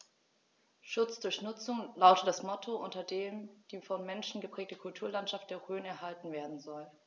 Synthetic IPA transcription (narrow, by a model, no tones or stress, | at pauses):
ʃʊt͡sd̥ʊɐçnʊt͡sʊŋlaʊtətd̥asmɔtʰoʔʊntɐdeːmd̥iːfɔnmɛnʃn̩ɡəpʁ̥ɛːk̚təkʰʊltʰuːɐlantʃaft̚d̥eːɐʁøːnɛɐɦaltn̩veːɐdn̩zɔl